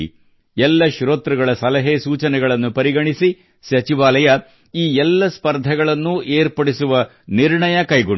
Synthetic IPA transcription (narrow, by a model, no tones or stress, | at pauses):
ɛlːɐʃɾoːt̪ɾɐɡɐɭɐsɐlɐɦeːsuːt͡ʃɐnɛɡɐɭɐnːupɐɾiɡɐɳisi | sɐt͡ʃiʋaːlɐjɐ | iːɛlːɐspɐɾd̪ʱɐɡɐɭɐnːuʔeːɾpɐɽisuʋɐ | niɾɳɐjɐkɐjɡuɳ